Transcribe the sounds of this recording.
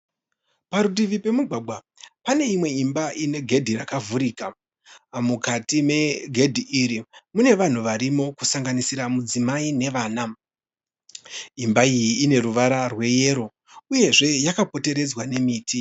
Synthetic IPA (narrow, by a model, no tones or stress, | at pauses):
paɾudiʋipe̞muɡʱwaɡʱwa | pane̞imwe̞imbaʔine̞ɡʱe̞dʱirakavuɾiːka | mukatime̞ɡʱe̞dʱiʔiɾimune̞ʋan̤uʋaɾimo̞kusaŋɡanisiɾamud͡zimaine̞ʋaːna | imbaijiːne̞ɾuʋaɾarwe̞je̞ːɾo̞ | uje̞ʐe̞jakapo̞te̞ɾe̞d͡zwane̞miːtʰi